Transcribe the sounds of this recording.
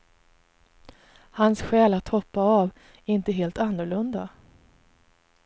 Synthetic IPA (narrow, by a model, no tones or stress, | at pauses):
hansɧɛːlat̪ʰhɔpːaav | ɛɾɪnt̪əɦeːlt̪anːʊɾɭɵnd̪a